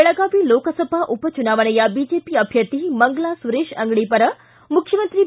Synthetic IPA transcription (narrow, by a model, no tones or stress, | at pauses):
eɭəɡaʋilokəsəbʱaʔupət͡ʃunaːʋənəjabid͡ʒepiəbʱjət̪iməŋɡlasuɾeʃə̰ŋɡɽ̃ipəɾə | mukʰjəmənt̪ɾi